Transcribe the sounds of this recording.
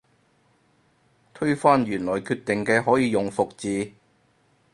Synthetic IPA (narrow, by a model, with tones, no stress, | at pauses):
t̪ʰɵ˥ɥfaː˥nɥyː˨˩nlɔː˨˩jkʰyː˧t̪ɪ˨ŋkɛː˧ɦɔː˨˥jiː˨˧jʊ˨ŋfʊ˨k̚t͡siː˨˧